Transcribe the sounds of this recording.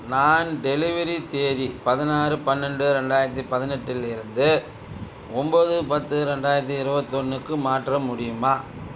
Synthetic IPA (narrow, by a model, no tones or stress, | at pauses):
naːnɖɛlɪʋɐɾit̪eːðipɐðɪnaːɾɯpɐnːɛɳɖɯɾɛɳɖaːjɪɾɐt̪ːipɐðɪnɛʈːɪlɪɾɯnd̪ɯ | ɔmboːðɯpɐt̪ːɯɾɛɳɖaːjɪɾɐt̪̬ːiɪɾɯbɐt̪ːɔnːɯkːɯmaːʈrɐmʊɽɪjɯmaː